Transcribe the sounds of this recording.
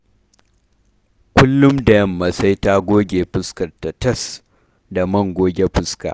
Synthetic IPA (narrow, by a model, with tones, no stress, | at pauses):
kʷʊ˦lːʊ˦mdɐ˨jɐ˦˨mːɐ˨sa˦jta˦ɡʷoː˦ɡʲeː˨ɸɪ˦skɐ˨rtɐ˨tɐ˦s | da˨mɐ˦ŋɡʷoː˦ɡʲe˦ɸɪ˦ska̰ː˨ʔ